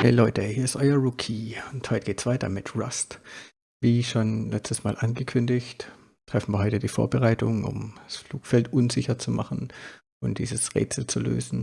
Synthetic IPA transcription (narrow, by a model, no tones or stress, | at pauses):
hḛːlɔʏtəhiːɐɪstʔɔɪɐʁukʰiːʊnthɔʏtəɡ̥eːtsv̥aɪtʰɐmɪtʰʁast | viːʃonlɛt͡stəsma̰ːlʔanɡəkʰʏndɪçt | tʁ̥ɛfn̩viːɐɦɔʏtədiːfo̰ːɐbəʁaɪtʊŋʊ̰mdasfluːkfɛltʔʊnzɪçɐt͡suma̰χn̩ | ʔʊnd̥ḭːzəsʁḛːt͡sl̩t͡sulø̰ːzn̩